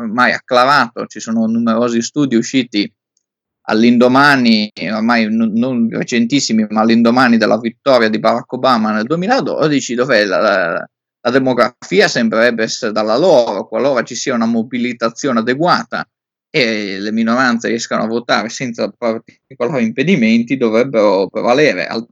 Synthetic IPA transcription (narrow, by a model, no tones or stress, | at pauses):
maja̰kːlaɾaːt̪o̰t͡ʃisoːnonumeɾoːzist̪uːd̪iuʃːiːt̪i | a̰lːind̪omanioɾmajnononrḛt͡ʃent̪isːimimaːlːind̪omaːnid̪elːʔavit̪ːɔːɾjad̪ibaɾakːobaːmaneld̪uemiːlad̪ɔ̰d̪it͡ʃid̪ovɛla̰ | lad̪emoɡɾafiːasembɾeɾɛbːeɛsːeɾed̪alːaloːɾokwalːoːɾat͡ʃisiːaunamobilit̪at̪sːjoːnead̪eɡwaːt̪a̰ | eleminoɾant̪sḛɾiɛskano̰avːot̪a̰ːɾesɛnt̪sapart̪ | ikolaːɾimped̪iment̪id̪ovɾɛbːeɾopɾḛvalɛːɾḛʔa̰l